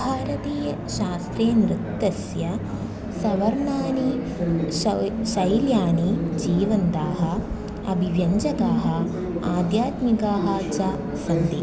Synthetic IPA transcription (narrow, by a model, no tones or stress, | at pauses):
bʱaːɾɐt̪iːjɐ | ʃaːst̪ɾeːnɾɪkt̪ːɐsjɐ | sɐʋɐɾɳaːni | ʃɐjljaːnid͡ʒiːʋɐnt̪aːɦɐ̆ | ɐbʱiʋjɐɲd͡ʒɐɡaːɦɐ̆ | aːd̪jaːt̪mikaːɦɐt͡ʃaː | sɐnd̪ḭː